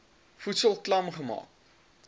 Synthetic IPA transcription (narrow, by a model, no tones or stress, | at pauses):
futsəlˠklɐmχəmɑ̰ːk̚